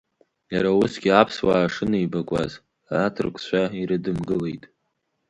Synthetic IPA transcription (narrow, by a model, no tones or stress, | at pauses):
jaɾaʊsɡʲiapʰswaːʂɨnejbakʷʼa̰z | atʰɨrkʷʰʼʃʷʰaiɾɨdɨmɡɨle̞jtʼ